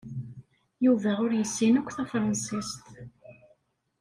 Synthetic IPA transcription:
juvæʁʊɾjəsːinækʷːθæfɾˤɑnsist̪

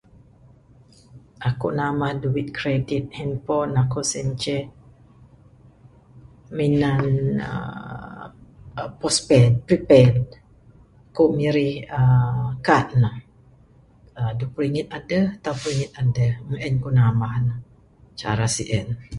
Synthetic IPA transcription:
ʔakṵʔnamahduwit̪̚kɾedit̪̚hɛnpɔnakoʔsɛnt͡ʃɛ | minanə̰ | pɔspɛnpɾipɛn | akoʔmiɾihəkat̪̚nah | ədupəɾiŋit̪̚adəht̪awpɾiŋit̪̚adəhməʔənkuʔnamahnah | t͡ʃa̰ɾasḭʔən

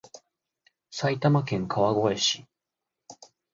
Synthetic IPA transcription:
sait̪amakẽ̞ŋkʰaβaɡo̞e̞ɕi̥

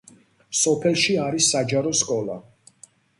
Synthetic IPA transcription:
sɔpʰɛlˠʃiaɾisːad͡ʒaɾɔskʼɔlˠa̰

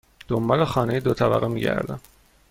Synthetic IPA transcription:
d̪̥ombɒːlexɒːnejed̪ot̪ʰæbæ̰ɣemḭːɟæ̰ɾd̪æ̰m

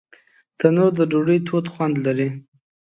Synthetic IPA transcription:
t̪anoɾd̪əɖoɖəjt̪ʰot̪xwand̪laɾi

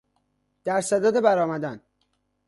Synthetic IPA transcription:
d̪̥æɾsæd̪ɒːd̪ebæɾɒːmæd̪æn

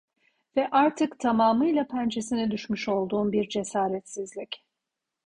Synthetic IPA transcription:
vɛʔaɾt̪ʰɯkt̪ʰamaːmɯjlˠapʰænd͡ʒesinɛd̪yʃmyʃo̞lˠd̪uːnbiɾd͡ʒe̞saːɾɛt̪sizlʲic

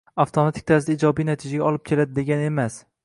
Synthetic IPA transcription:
aft̪ʰomat̪ʰɪ̥kʲt̪ʰaɾzɪd̪aɪd͡ʒɒbijnat̪ʰɪd͡ʒaɡʲaɒlɪp̚kʲʰe̞lad̪ɪd̪e̞ɡʲane̞mas

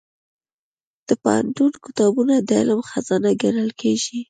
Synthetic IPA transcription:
d̪̥əpa̰a̰ɳʈunkɪ̥t̪ɑbunad̪əɪ̰lmxazɑnaɡanəlkʰeʒi

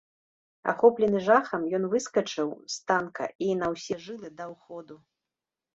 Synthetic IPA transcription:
a̰xɔplʲɛnɨʐaxɐmjɔn̪vɨskɐt͡ʂɨwst̪ankɐ̰ʔinɐwsʲɛʐɨlˠɨd̪ɐwxɔd̪u

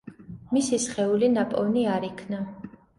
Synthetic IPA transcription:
misisχɛulinapʼɔniaɾikʰna

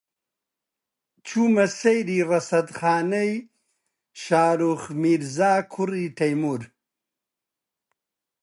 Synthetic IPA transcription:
t͡ɕʰumɐsɐjɾiɾɐsɐd̪χaːnɐj | ʃaːɾuxmiɾzaːkʰuɾiʈʰɐjmuɾ

